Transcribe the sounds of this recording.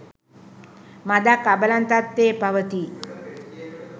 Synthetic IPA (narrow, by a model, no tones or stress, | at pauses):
mad̪akabəlant̪at̪ːeːpaʋət̪i